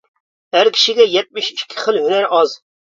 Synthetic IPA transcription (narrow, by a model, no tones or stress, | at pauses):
æɾkʲʰi̥ʃiɡʲɛjɛt̪̚mɪʃiʃkʲʰːɪ̥χəlɦynæɾɑz